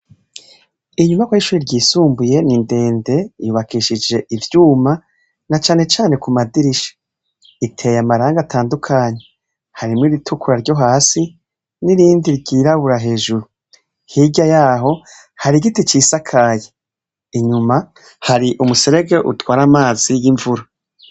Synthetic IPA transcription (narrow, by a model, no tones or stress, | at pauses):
iɲumakwaiʃuɾiɾɟiːsuːmbuje̞ninde̞ːnde̞juβakʰiʃid͡ʒe̞ʔivjuːma | nat͡ʃaːne̞t͡ʃaːne̞kumadiɾiʃḁ | itʰe̞jamaɾaːŋɡatʰaːndukʰaːɲe̞ | haɾimŋiɾitʰukʰuɾaɾɟo̞ɦaːsi | niɾiːndiɾɟiːɾaβuɾaɦe̞ːʒuɾu | hiɟajaːɦo̞ | haɾiɡitit͡ʃiːsakʰaːje | iɲuma | haɾiʔumuse̞ɾe̞ɡe̞ʔutwaːɾamaːz̥ijiɱvuɾa